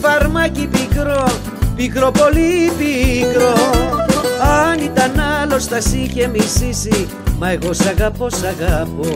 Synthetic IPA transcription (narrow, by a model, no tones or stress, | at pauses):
fɐɾmɐcipikɾo | pikɾopo̞lipikɾo | ɐnit̪ɐnalo̞st̪ɐsicemisisi | mɐeɣo̞sɐɣɐpo̞sɐɣɐpo